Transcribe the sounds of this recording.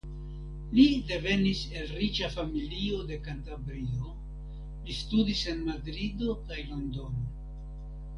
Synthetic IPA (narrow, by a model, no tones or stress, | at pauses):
lide̞ve̞nise̞lrit͡ʃafamilio̞de̞kantabɾio̞ | listudise̞nmadɾido̞kajlo̞ndo̞no